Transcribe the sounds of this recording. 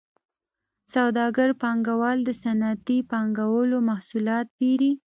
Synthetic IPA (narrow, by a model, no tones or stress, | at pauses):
sawd̪ɑɡəɾpɑŋɡawɑld̪əsanat̪ipɑŋɡawəlomahsulɑt̪̚biɾi